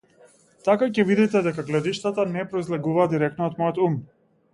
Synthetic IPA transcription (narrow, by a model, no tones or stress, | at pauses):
t̪akacɛvid̪it̪ɛd̪ɛkaɡlɛd̪iʃt̪at̪anɛpɾɔizlɛɡuvaːd̪iɾɛkt̪nɔːt̪mɔjɔt̪um